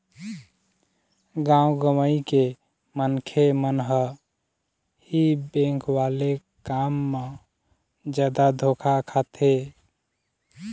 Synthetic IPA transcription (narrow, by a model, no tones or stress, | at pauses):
ɡãũɡəməjke | mənkʰemənɦə | hibẽŋkʰwale | kamːə | d͡ʒad̪ad̪ʱokʰakʰat̪ʰe